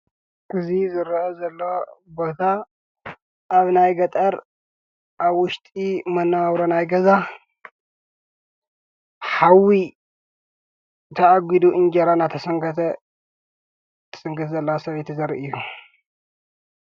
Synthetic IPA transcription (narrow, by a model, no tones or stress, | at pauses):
ʔɨzizɨɾʔɐzɐlːobo̞t̪ʰa | ʔaβnajɡɐt̪ʼɐɾ | ʔaβwʊʃt̪ʼimɐnːawɾonajɡɐza | ħawi | t̪ʰɐʕaɡʷid̪uʔɨnd͡ʒɐɾanat̪ʰɐsɐŋɡɐt̪ʰɐ | t̪ʰɨ̥sɨŋɡɨt̪zɐlːɐwasɐβet̪ʰizɐɾiʔɨjːu